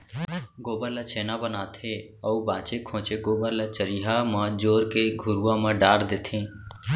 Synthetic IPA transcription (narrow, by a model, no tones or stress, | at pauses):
ɡoːbəɾlət͡ʃʰeːnabənaːt̪ʰe | əubãːt͡ʃekʰõːt͡ʃeɡoːbələt͡ʃəɾiɦamãd͡ʒoːɾkeɡʱʊɾuːãmə̃ɖaːɾd̪eːt̪ʰẽː